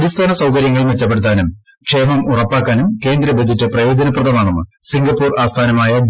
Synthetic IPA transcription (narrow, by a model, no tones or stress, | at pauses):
ɽist̪ʰaːnɐsɐwkɐɾjɐŋːɐɭumʋet͡ɕːɐp̬ːe̞ɽut̪ːaːnum | kʂejmɐmurɐpːaːkːaːnumke̞ːnd̪ɾɐbɐd͡ʑitːɨprɐjo̞ːd͡ʑɐnɐprɐðɐmaːɳonːɨ̰siŋɡɐpːuːraːst̪ʰaːnɐmaːjɐ